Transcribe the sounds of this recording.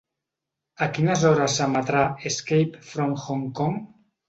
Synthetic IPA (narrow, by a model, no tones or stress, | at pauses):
akinazɔɾasamat̪ɾaeskejpfɾoŋxoŋkoŋ